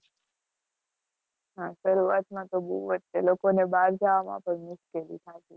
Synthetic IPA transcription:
ɦãʃəɾuat̪mãt̪obuʋət̪t͡ʃelokonebaɾd͡ʒaʋamã̰pəɳmʊʃkelḭt̪ʰaʃe

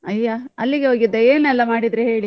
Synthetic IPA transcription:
ɐjːaɐlːiɡeɦoːɡid̪ːeeːnɛlːɐmaːɽid̪ɾeɦe̞ːɭi

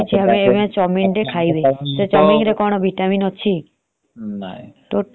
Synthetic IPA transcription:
t͡ʃʰiɦəmeeʋãt͡ʃɔmiŋɾekʰaibeset͡ʃɔmiŋɾekɔɽ̃ɔbʱiʈaminɔt͡ʃʰi | ʈo

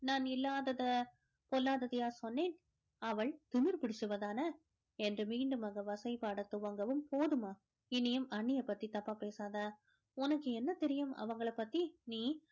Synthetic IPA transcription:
naːnɪlːaːðɐðɐ | pɔlːaːðɐðɪjaːsɔnːeːn | ɐʋɐɭt̪ʊmɪɾpɪɽɪt͡ʃːɯʋɐðaːnɐ | ɛndrɯmiːɳɖɯmɐɣɡɐʋɐsɐɪpaːɽɐt̪ːʊʋɐŋɡɐʋɯmpoːðɯmaː | ɪnːɪjɯmɐɳːɪjɐpːɐt̪ːit̪ɐpːaːpeːsaːðaː | ʊnɐkːɯɛnːɐt̪ɛɾɪjɯmɐ̰ʋɐŋɡɐɭɐpːɐt̪ːiniː

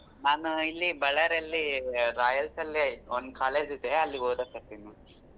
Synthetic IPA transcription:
naːnuilːibɐɭɐɾɐlːiɾaːjɐlsɐlːiond̪kaːleːd͡ʒid̪eɐlːiɡoːd̪ɐkɐt̪ːinu

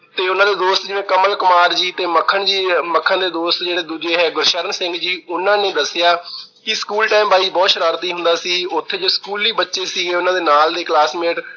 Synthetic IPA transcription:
t̪eːʊnãːd̪eːd̪oːst̪d͡ʒɪʋẽːkəməlkʊmaːɾd͡ʒiːt̪eːməkʰːəɳd͡ʒiːməkʰːãnd̪eːd̪oːst̪d͡ʒeːɽeːd̪uːd͡ʒeːɦɛːɡʊɾʃəɾənsɪ̃ŋɡd͡ʒiːʊnãːneːd̪əsɪjaː | kɪskuːlʈaːɪmbʱaːibɔːt̪ʃəɾaːɾt̪iːɦʊnd̪aːsiːʊt̪ʰːeːd͡ʒoːskuːlːiːbətːʃeːsiːɡeːʊnãːd̪eːnaːld̪eːklaːsmeːʈ

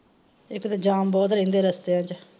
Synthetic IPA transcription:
ɪkt̪ːd͡ʒaːmbɔːt̪̬ɾẽːnd̪eːɾəst̪eːãd͡ʒ

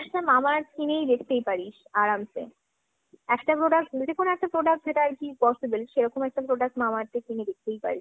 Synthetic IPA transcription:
ɛʃʈamamaɾkinejd̪ekʰt̪ejpaɾiʃ | aɾamsḛ | ɛkʈapɾoɖak̚ʈd͡ʑekʰonoɛk̚ʈapɾoɖak̚ʈ̚d͡ʑeʈaaɾkipɔsibelʃeɾɔkomɛk̚ʈapɾoɖak̚ʈmamaɾt̪ekined̪ek̚ʰt̪ejpa̰ɾiʃ

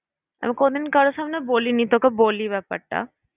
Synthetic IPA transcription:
a̰mikod̪inkaɾosamnebolinit̪okeboliβɛpɐ̰ʈːa̰

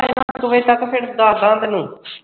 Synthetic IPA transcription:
makʊʋeːt̪əkpʰɪɽd̪aːd̪ãːnd̪nũː

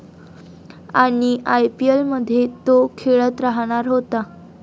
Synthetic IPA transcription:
aɽ̃iʔajpielməd̪ʱːjet̪okʰeɭət̪ɾaɦɽ̃aɾɦot̪a

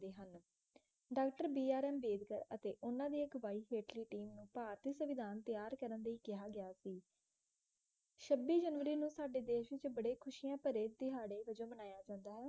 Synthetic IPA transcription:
d̪eːɦən | ɖaːkʈəɾbiːaːɾɛːmbeːd̪kəɾət̪eːʔʊnãːd̪iːɪkʋaːiːɦeːʈliːʈiːmnũːpaːɾt̪isəʋɪd̪aːnt̪ɪjaːɾkəɾənd̪aːiːkɪɦaːɡɪjaːsiː | ʃəbːiːd͡ʒənʋəɾiːnũːsaːɖeːd̪eːʃʋɪt͡ʃbəɽeːkʰʊʃiːãːpəɾeːt̪ɪɦaːɽeːʋəd͡ʒõːmənaːjaːd͡ʒãːnd̪aːɦɛː

